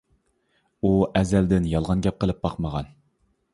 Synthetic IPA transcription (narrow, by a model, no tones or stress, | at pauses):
uɛzɛld̪ɪnjɑlˠʁɑnɡʲɛp̚qʰəlˠɨp̚bɑqməʁɑn